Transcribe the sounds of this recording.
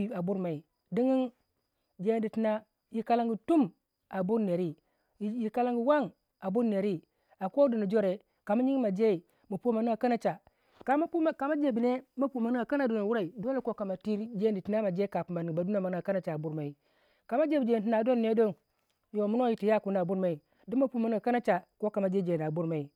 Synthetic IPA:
a˨bu˦ɾma˨i˨ | di˦ŋi˦n | d͡ʒe˦˨ndi˨ti˦na˦ | ji˨ka˦la˦ŋɡi˨tu˦m | a˨bu˦ɾne˨ɾi˦˨ | ji˨ka˦la˦ŋɡi˨wa˦ŋ | a˨bu˦ɾne˨ɾi˦ | a˨ko˦di˨ni˨d͡ʒo˦ɾe˨ | ka˨ma˦ɲi˦ŋ˦ma˨d͡ʒe˦i˨ | mu˨pu˦ma˨ni˦a˨ka˦na˦t͡ʃa˨ | ka˨ma˦u˦ka˨ma˦d͡ʒe˨bi˨ne˦ma˦pu˨ma˨ni˦a˨ka˦na˦do˨no˨wu˦ɾa˨i˨do˦le˦ko˦ka˨ma˨ti˦ɾd͡ʒe˦˨˦di˨ti˨na˦ma˨d͡ʒe˦ka˨pu˨ma˨ni˨ba˨˦du˦na˦˨ma˨n˦a˨ka˦na˦t͡ʃa˨bu˦ɾma˨i˨ | ka˨ma˦d͡ʒe˦bi˨d͡ʒe˨i˦na˨do˦nːe˦do˦n | jo˨mu˦no˦ji˨ti˨ja˦˨ku˨n˨a˨bu˦ɾma˨i˨ | di˦ma˦pu˦ma˨n˦a˨ka˦na˦t͡ʃa˨ko˦ka˨ma˨d͡ʒe˦d͡ʒe˨a˨bu˦ɾma˨i˨

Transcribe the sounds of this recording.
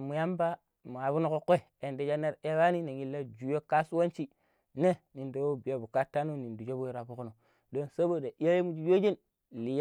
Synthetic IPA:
mu˨ja˦mba˦ | mu˨a˨βu˦nu˦ko˦kʷe˦˨ | e˨nde˨d͡ʒa˦ne˦ɾe˦wa˦ni˦ne˨ŋi˨lːa˦d͡ʒu˨jo˦ka˦su˦wa˦nt͡ʃi˦ | ne˦ni˨ndo˨wo˦bi˨ja˨bu˨ka˦tːa˦no˦ni˨ndu˨d͡ʒo˦bo˦ɾa˨bu˦ku˦no˨ | do˦nsa˦bo˦˨da˨ʔi˦ja˦je˦mu˨˦d͡ʒi˦d͡ʒo˦d͡ʒi˦n | li˨j

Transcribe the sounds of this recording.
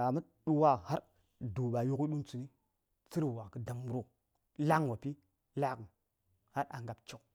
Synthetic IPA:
a˨mə˦ | ɗu˦wa˦ha˦ɾ | du˨ɓa˨ju˦ki˦ɗu˦nt͡su˨ni˦ | t͡si˦ɾwa˨kə˦da˨mu˨ɾo˦ | la˦ŋ˦˨wo˨pi˦ | la˦kə˨n | ha˦ɾa˨ŋɡa˨pt͡ʃu˦k

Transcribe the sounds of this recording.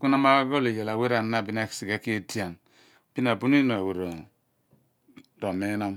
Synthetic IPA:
ku˦na˦ma˦ɡo˦le˨ja˨la˨we˦ɾa˨nːa˦˨bi˦na˦ksi˨ɡa˦ki˦e˦ti˦a˨n | b̥i˦na˨bu˦n˦i˦no˨a˨we˨ɾo˨ | do˨me˦na˦m

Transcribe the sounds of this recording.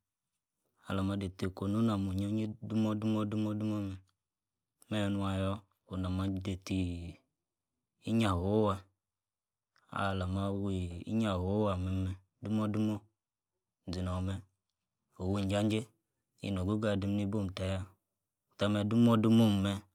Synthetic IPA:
a̰˨la˨ma˧˦de˨te˨ko˨nu˦na˨mo˨ɲo˦ɲi˦du˦mɔ˦du˦mɔ˦du˦mɔ˦du˦mɔ˦m˨ | mɛ˦˨˦nu˧˦a˨jɔ˦ | o˨na˨ma˨˦de˨ti˨ | i˦ɲa˨ɦo˨˦wa˧ | a̰˨la˨ma˦wi˦˨ḭ˦ɲa˨ɦo˨˦wa˨mɛ˨˦mɛ˨ | du˦mɔ˦du˦mɔ˦˨ | d͡zi˨nɔ˨mɛ˦ | o˨wi˦˨n˨d͡ʒa˦n˦d͡ʒe˦ | ḭ˦n˨o˨ɡu˦ɡa˦˨di˨˦m˦ni˦bo˦˨m˨ta˨ja˦˨ | ta˧˦mɛ˨˦du˦mɔ˦du˦mo˦m˨mɛ˧

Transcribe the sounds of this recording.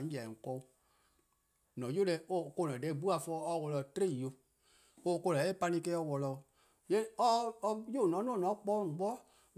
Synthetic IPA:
ja˨ŋ̩˨kɔ˧u˦ | nɔ̃˨˦jo˦lɛ˨o˦˨ko˧˦˨nɔ̃˨dɛ˨˦˨bu˦a˨fɔː˧˦ɔ˧˦wɔ˨lɔ˧˨tɾe˦˨o˧ | o˦˨ko˧lɛ˨˦e˦˨pa˧nĩ˧kɛ˧˦ɔ˧wɔ˨lɔ˧˨ | jɛ˦ɔ˦˧jo˦˨nɔ̃˨˦n˦ɔ̃˦˨nɔ̃˨˦k͡pɔː˦ŋ˨ɡ͡bɔ˦

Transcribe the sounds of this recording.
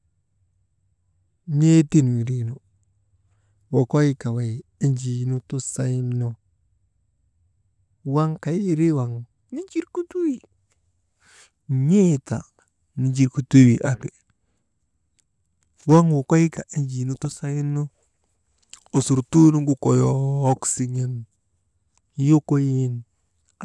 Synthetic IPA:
ɲe˦ti˦n˨wi˨ɾi˦no˨ | wo˨ko˦ji˦ka˨wa˨i˦nd͡ʒi˨nu˦tu˦sa˦i˦nno˦ | wa˦ŋka˨ji˦˨ɾi˦wa˨ŋ | ni˦d͡ʒi˦ɾku˦tu˦wi˨ | ɲi˦˨ta̰˨ | ni˨d͡ʒi˨ɾku˨tu˦wi˨ʔa˨ki˨ | wa˦ŋwo˨ko˦ji˦ka˨ʔi˦ɲd͡ʒi˨nu˦tu˦sa˦ji˦nno˦ | o˨su˨ɾtu˦nu˦ŋɡu˦ko˨jo˦ksi˨˦ɲe˦n˦ | jo˦ko˦ji˦n

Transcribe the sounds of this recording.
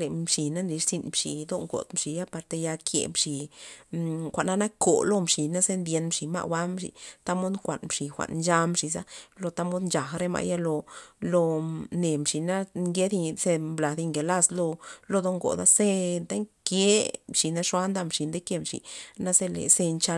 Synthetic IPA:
le˨mʂi˨na˦nd̪i˨˧ʂsi˧nmʂḭ˨d̪o˦ŋɡo̰˨d̪mʂi˨ja˦pa˧ɾt̪e˧ja˧kʰjḛ˧˨mʂi˨ | xʷa˨ʔna˦na˦ko˨lo˦˧mʂi˨na˦ze˦nd̪je˧nmʂi˨ma̰˦˧ʔwa˦mʂḭ˧˨t̪a˦mo˦d̪ŋkʷa̰˨nmʂi˨xʷa̰˨ʔnd͡ʒa˧mʂi˨z̬a˦lo˧t̪a˦mo˦d̪nt͡ʃa˨xɾe˦ma̰˧˨ja˦lo˧lo˧ne˨mʂi˨na˦ŋɡe˦d̪i˧se˧mbla˨d̪i˧ŋɡe˨la˦slo˧lo˧d̪o˦ŋɡo̰˨d̪a˦se˦t̪a˦ŋkje˦mʂi˨na˦ʂwa˦nd̪a˦mʂi˨nd̪e˦ke˧mʂḭ˨na˦ze˦lḛ˨se˧nt͡ʃa˧

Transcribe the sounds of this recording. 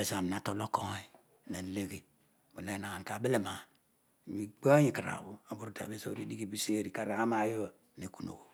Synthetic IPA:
e˨sa˨a˨m˨na˨to˦lo˦ko˦ŋ˨˦i˨ | na˨˦le˦ɡi˨ | bu˨le˦na˨a˨n˨ka˨bi˦li˦˨ma˨ | mi˨k͡po˦ɲi˦˨ki˨ɾa̰˨bu˦a˨bu˦ɾu˦ta̰˨be˦so˦˨ɾi˦di˦ɡi˦bi˦se˦ɾi˨ka˨ɾa˨a˦ma˦jo˦˨ne˨ku˦no̰˨ko˨

